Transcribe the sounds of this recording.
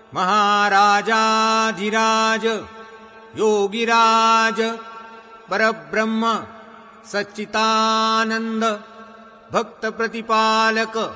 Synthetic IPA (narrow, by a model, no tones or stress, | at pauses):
mɐɦaːɾaːd͡ʒaːd̪ʱiɾaːd͡ʒɐ | joːɡiɾaːd͡ʒɐ | pɐɾɐbɾɐmːɐ | sɐt͡ʃːit̪aːnɐnd̪ɐ | bʱɐk̚t̪ɐpɾɐt̪ipaːlɐkɐ